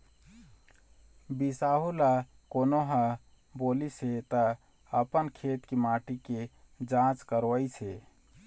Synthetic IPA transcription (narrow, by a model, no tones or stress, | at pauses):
bisaːɦula | koːnoɦã | boːliset̪ə | əpənkʰeːt̪kimaʈike | d͡ʒãt͡ʃkəɾʋəit͡ʃʰe